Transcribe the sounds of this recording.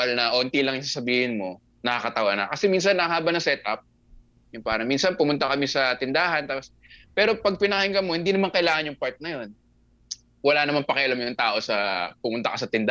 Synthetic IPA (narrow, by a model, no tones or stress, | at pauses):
ɐlnɐʔont̪ilɐŋɪŋs̬aːsɐbiːhɪnmo̞ | nɐkakɐt̪ɐwɐnɐ̰kɐsɛmins̬ɐnːɐɦaːbɐnɐsɛt̪̚ʔɐp̚ | jʊŋpaːɾɐminsɐnpʊmʊnt̪ɐkɐmisɐt̪ɪnd̪aːɦɐnt̪aːpos | pɛːɾo̞pɐɡ̚pɪnɐhɛŋɡɐmo̞hɪnd̪iːnɐmaŋkɐʔɪlaːŋɐnjʊŋpaɹt̪̚nɐjo̞n | wɐlanɐmanpɐkɐjʔɐlɐmjʊŋt̪aːʔo̞sɐpʊmʊnt̪ɐ̰kɐsɐt̪ɪnd̪a